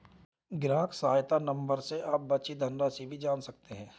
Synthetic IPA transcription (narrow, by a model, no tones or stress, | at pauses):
ɡɾaːksaːjt̪anɐ̃mbəɾseʔaːp̚bɐtːt͡ʃid̪ʱɐ̃nɖasibʱid͡ʒaːnsɐk̚t̪eɦɛ̃ː